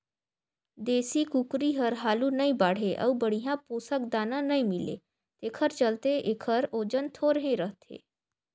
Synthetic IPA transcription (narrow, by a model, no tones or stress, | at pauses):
d̪eːsikukɾiɦəɾɦaːlunəĩbaːɽ̤eʔə̰wbəɽ̤ijãpuːsəkd̪aːnãnəĩmɪlḛ | t̪eːkʰəɾt͡ʃəlt̪eeːkʰəɾoːd͡ʒənt̪ʰoːɾɦẽɾəɦt̪ʰḛː